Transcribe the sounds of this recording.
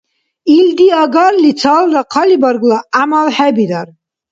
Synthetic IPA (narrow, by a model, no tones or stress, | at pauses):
ild̪iaɡaɾlit͡sʰalɾaqʰɑlibaɾɡlaamalħɛbid̪aɾ